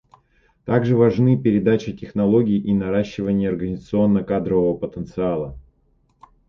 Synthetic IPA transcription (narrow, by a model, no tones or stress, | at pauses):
t̪aɡʐɨvɐʐnɨpʲɪɾʲɪd̪at͡ɕɪtʲɪxnɐlˠo̞ɡʲɪjʔinɐɾaɕːɪvənʲɪjəɐrɡənʲɪzət̪sɨo̞nːəkad̪ɾəvəvəpət̪ənt̪sɨalˠə